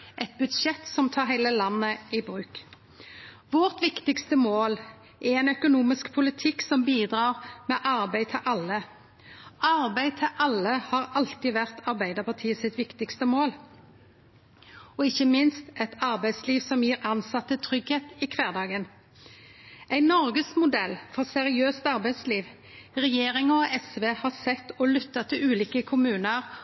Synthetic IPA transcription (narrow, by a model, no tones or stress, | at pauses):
ʔɛt̪̚bʉd̪ʃɛt̪sɔmt̪ʰɑːʁɦæɪləlɑnːəɪbʁʉːk | ʋɔʁt̪ʋɪkt̪ɪkst̪əmoːl | ʔɛɛnœkʊnuːmɪskpʰʊlɪt̪ʰɪksɔmbiːd̪ʁɑːʁmeːʔɑʁbæɪt̪ʰɪʔɑlːə | ɑʁbæɪt̪ʰɪʔɑlːəhɑːʁɑlt̪ɪʋæʁt̪ʰɑʁbæɪd̪əpɑʁt̪ʰiːəsɪt̪ʋɪkt̪ɪkst̪əmoːl | ɔɪçəmɪnst̪ɛt̪ɑʁbæɪsliːʋsɔmjiːʁɑnsɑt̪ːət̪ʰʁʏɡheːt̪ikʰʋeːʁd̪ɑːɡən | æɪnɔʁɡəsmʊd̪ɛlːfɔʁsɛʁɪøːst̪ɑʁbæɪd̪sliːʋ | ʁɛjeːʁɪŋəɔʔɛsʋeːhɑːsɛt̪ːɔlʏt̪ːət̪ʰɪlʉːliːkəkʰʊmʉːnəʁ